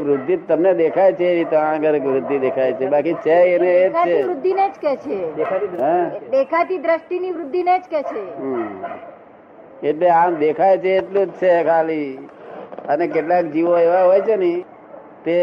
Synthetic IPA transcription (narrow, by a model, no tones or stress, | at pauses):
ʋɾʊd̪ʱːit̪əmned̪ekʰajt͡ʃʰeːɾit̪oãɡəɾekʋɾʊd̪ʱːid̪ekʰajt͡ʃʰebakit͡ʃʰeəneːkt͡ʃeʋɾʊd̪ʱːined͡ʒket͡ʃʰekaɦɛ̃d̪ekʰat̪id̪ɾəʃʈiniʋɾʊd̪ʱːined͡ʒket͡ʃʰeɦ | eʈleãmd̪ekʰajt͡ʃʰeːʈlũd͡ʒt͡ʃʰekʰali | ənek̬eʈlakd͡ʒiʋoeʋaɦojt͡ʃʰenəĩ | t̪e